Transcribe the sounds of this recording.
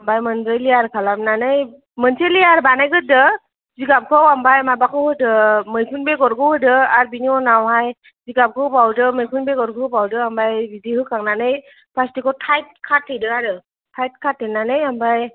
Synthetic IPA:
ambajmənzɯjliaɾkʰalamnanɯj | mənseliaɾbanajɡɯdɯ | ziɡap̚kʰɯwambajmabakʰɔhɯdɯmɯjkʰunbeɡɔɾɡɯhɯdɯaɾbiniɔnawɦaj | ziɡap̚kʰɯbawdɯmɯjkʰɯnbɛɡɔɾɡʰɯɯbawdɯambajbidiɦɯkʰaŋnanɯj | pʰastikɔtʰajt̚kʰatʰːɯjdɯaɾɯ | tʰajt̚kʰatʰːenːanɯjambaj

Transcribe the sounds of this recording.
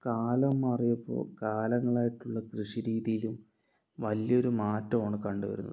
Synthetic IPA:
kaːlɐmːɐrijɐpːo̞̰ːkaːlɐŋːɐɭaːjiʈːuɭːɐkrɨʂiɾiːðijilum | ʋɐljɐo̞ɾumaːtːɐmoːɳɨkɐɳɖuʋɐ̰ɾunːɐ̰ð

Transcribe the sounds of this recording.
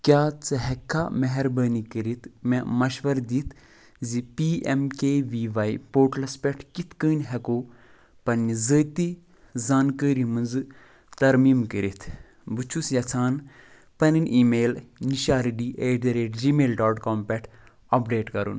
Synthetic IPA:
kʲjaːt͡sɨɦɛkʰːamɐɦɛɾbəːnikəɾit̪ʰmɛ̃mɐʃʋɐɾd̪it̪ʰ | zipiːɛmkeːʋiːʋaːjipoːʈlɐspʲɛʈʰkit̪ʰkəːnʲɦɛkoː | pɐnːizəːt̪i | zaːnkəːɾimɨnzɨ | t̪ɐɾmiːmkəɾit̪ʰ | but͡ʃʰusjɐt͡sʰaːn | pɐnɨnʲʔiːmeːlniʃaːɾiɖiːʔeːʈ̪ɐɾeːʈd͡ʒiːmeːlɖɔːʈkɔːmpʲɛʈʰ | ɐpɖeːʈkɐɾṵn

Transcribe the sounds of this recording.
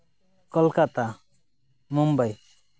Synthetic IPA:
kɔlkat̪a | mɔmbaj

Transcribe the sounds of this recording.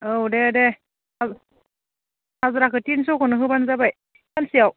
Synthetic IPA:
owdede | az | hazuɾakʰɯtinsukʰɯnɯɦɯbanzabaj | bansiaw

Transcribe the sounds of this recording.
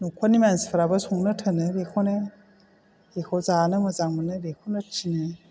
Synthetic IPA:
nukʰɔnimanspʰaɾabɯsuŋnɯtʰɯnɯɾekʰɔne | ɾekʰɔzanɯmɯzaŋmɯnɯɾekʰownɯtʰinɯ

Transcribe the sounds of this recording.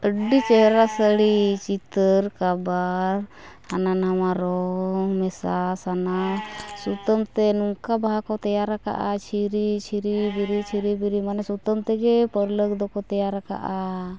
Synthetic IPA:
əɖit͡ʃɛɦɾasəɽit͡ʃit̪əɾkabaɾ | hananamaɾɔŋmɛsasanasut̪əmt̪ɛnuŋkabaɦakɔt̪ɛjaɾaka̰ʔat͡ʃʰiɾit͡ʃʰiɾibiɾit͡ʃʰiɾibiɾimanɛsut̪əmt̪ɛɡɛpəɾlək̚d̪ɔkɔt̪ɛjaɾaka̰ʔa

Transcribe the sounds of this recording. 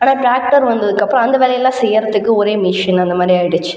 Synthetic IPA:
aːnaːʈɾaːk̚ʈɐɾʋɐnd̪ɐðɯkːɐpːɾõɐnd̪ɐʋeːlɐjɐlːãːsɛjːɪɾɐtðɯkːɯɔɾeːmɪʂɐnɐnd̪ɐmaːd̪ɾijaːɪɽɯt͡ʃːɯ̥

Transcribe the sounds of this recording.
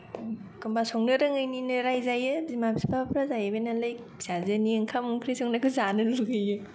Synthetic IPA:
kɯmbasɔŋnɯɾɯŋajninɯɾajzajɯzimabsipapʰɾazajɯbejnalaj | sazɯniɯŋkʰamuŋkʰɾisɔŋnakʰɯzanɯluɡɯjɯ

